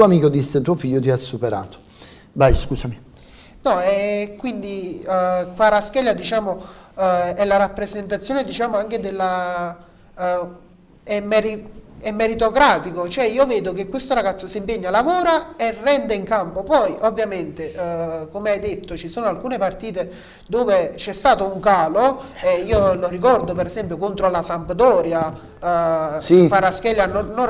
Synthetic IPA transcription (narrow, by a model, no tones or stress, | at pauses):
t̪uoamiːkod̪isːet̪uofiʎːot̪iasːupeɾa̰ːt̪o̥ | bajskuːsami | nɔɛkːwind̪i | faɾaskɛʎːad̪it͡ʃaːmo | ɛlːaɾapːɾezent̪at̪sːjoːned̪it͡ʃaːmoaŋked̪elːa | ɛmːɛɾiɛmːeɾit̪okɾaːt̪ikot͡ʃoɛiːoveːd̪ok̟ekːwest̪oɾaɡat̪sːosimpeɲːalavoːɾaerːɛnd̪eiŋkampopɔjʔovːjament̪ekomeajd̪et̪ːot͡ʃisoːnoalkuːnepart̪iːt̪e | d̪oːvet͡ʃɛst̪aːt̪ouŋkaːloɛiːolorikɔrd̪opeɾɛsɛmpjokont̪ɾolasampd̪ɔːɾja | faɾask̟ɛljanono